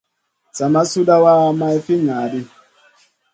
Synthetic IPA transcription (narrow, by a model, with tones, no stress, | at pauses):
sa˨ma˦su˦ɗa˦wa˦ma˦ɛ˦fi˦ŋaː˨˦ɗi˦